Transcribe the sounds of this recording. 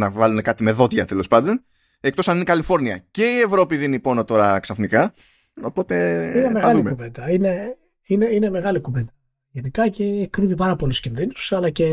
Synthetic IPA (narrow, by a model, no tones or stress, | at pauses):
nɐvɐlune̞kɐt̪ime̞ðo̞t̪ʝɐt̪e̞lo̞spɐnd̪o̞n | e̞k̚t̪o̞sɐninikɐlifo̞ɾniɐ̰ce̞ie̞vɾo̞piðinipo̞no̞t̪o̞ɾɐksɐfnikɐ | o̞po̞t̪e̞inemeɣɐluimekuvend̪ɐine̞ | ineine̞me̞ɣɐlikuve̞nd̪ɐ | ʝe̞nikɐce̞ːkɾivipɐɾɐpo̞luscinðinusɐlɐce̞